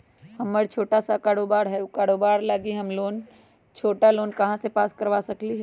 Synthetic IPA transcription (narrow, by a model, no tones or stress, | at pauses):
hɐmːəɽt͡ʃʰoːʈasakaːɽoːbaːɾɦɛkaːɽoːbaːɾlaːɡiɦɐmloːn | t͡ʃʰoːʈaloːnkɐɦãsepaːskɐɾʋasɐkliɦɛː